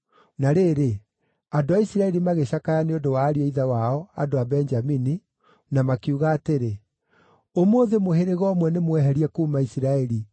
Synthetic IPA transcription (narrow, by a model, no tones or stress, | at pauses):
naɾeɾe | adoaisiɾaɛɾimaɣeɕakajaneodowaːɾiɔiðawaɔadoabɛnd͡ʒamini | namakiuɣaːteɾe | omoːðemoheɾeɣɔmwɛnemwɛɦɛɾiɛkuːmaisiɾaɛɾi